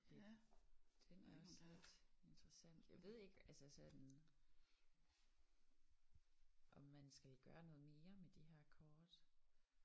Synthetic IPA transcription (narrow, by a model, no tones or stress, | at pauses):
d̥e | d̥enæɒ̽sled̥e̝nd̥ʁɐsæn̰d̥jaʋe̝ð̞̰ˠe̝ɡ̥əælsəsɒd̥n | ʔɒ̽mːænsɡ̥ælɡ̥ɶːɐnɔ̽ːð̞̩ˠme̝ːɐmed̥eɦæɐ̰kʰɒːd̥